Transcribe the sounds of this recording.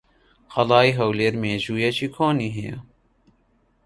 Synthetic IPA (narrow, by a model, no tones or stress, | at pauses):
xɐlaːiɦɐwleːɾmeːʑujɐt͡ɕʰikʰoːniɦejo̰